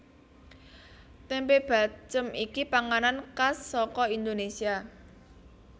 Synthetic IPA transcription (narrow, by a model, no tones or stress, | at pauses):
t̪empeb̥a̤t͡ʃəmikipaŋanankasːɔkɔind̪onesia